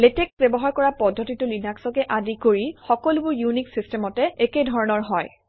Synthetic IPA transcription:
leteksbɛbɔɦaɹkɔɹapɔdʱːotitʊlinaksɔkɛʔadikoɹixɔkɔlubʊɹjuniksistemɔtɛekedʱɔɹɔnɔɹɦɔj

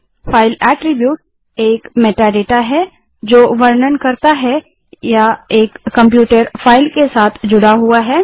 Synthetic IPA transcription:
fʰaːɪlɛːʈɾɪbjuːʈ̚ | eːkmeːʈaɖeːʈaɦɛ | d͡ʒoːʋɐɾnənkɐɾt̪aɦɛ | jaeːkːɐ̃mpjuːʈəɾfʰaːɪlkesaːt̪ʰd͡ʒʊɽaɦuaɦɛː

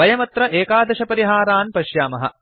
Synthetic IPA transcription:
bɐjɐmɐt̪ɾɐʔeːkaːd̪ɐʃɐpɐɾiɦaːɾaːnpɐʃjaːmɐɦɐ̰

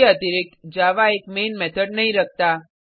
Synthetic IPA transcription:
ət̪iɾik̚t̪d͡ʒaʋaekmenmɛt̪ʰəɖ̚nəɦĩɾək̚ʰt̪a

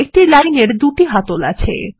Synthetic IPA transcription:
ek̚ʈilajneɾd̪uʈiɦat̪ola̰t͡ɕʰḛ

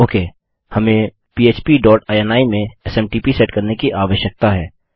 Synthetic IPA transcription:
oːkeː | hɐmẽ | piːeːt͡ʃpiɖɔːʈaːjɛnaːimẽɛsɛ̃mʈiːpisɛːʈkɐɾnekiʔaːʋəʃjək̚t̪aɦɛː

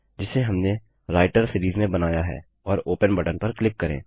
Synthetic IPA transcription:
d͡ʒɪseɦɐmne | ɾaːɪʈəɾsɪɾiːzmẽbɐnaːjaɦɛ̰ː | ɔːɾoːpənbəʈənpɐɾklɪp̚kɐɾḛ̃ː

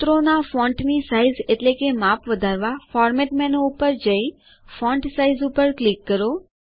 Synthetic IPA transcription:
t̪ɾonafɔ̃ɳʈnisaizeʈlekemapʋəd̪ʱaɾʋafɔɾmɛʈmɛnoupəɾd͡ʒəj | fɔ̃ɳʈsaizupəɾklikːəɾo

